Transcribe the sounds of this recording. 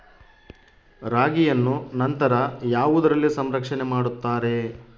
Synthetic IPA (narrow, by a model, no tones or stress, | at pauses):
ɾaːɡijɐnːunɐnt̪ɐɾɐjaːʋud̪ɐɾɐlːisɐmɾɐkʂɐnemaːɽut̪ːaːɾe̞